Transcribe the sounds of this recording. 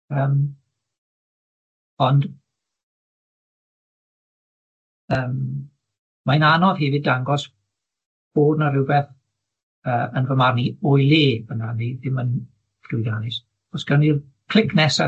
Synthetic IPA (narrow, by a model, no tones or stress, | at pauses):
əːm | ɔnd | əːm | mananɔv̥hɛvɨdaŋɡɔs | b̥oːdnarɪwvɛθ | əːənvəmarniʊjlˠeːb̥ənaniðɪmən | fʊjdanɪs | ɔsɡ̥ɛnir | pʰl̥ɪkʰnɛsa